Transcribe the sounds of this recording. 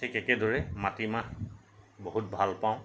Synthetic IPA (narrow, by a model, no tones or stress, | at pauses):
tʰikɛkɛdoɹɛmatimah | boɦut̚bʱalpãʊ̃